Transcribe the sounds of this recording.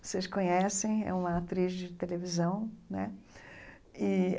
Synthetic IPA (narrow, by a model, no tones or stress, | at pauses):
seskõɲɛsẽj̃ɛ̰ũmɐat̪ɾizd͡ʒɪt̪elevizɐ̃w̃nɛ̰ | ɪ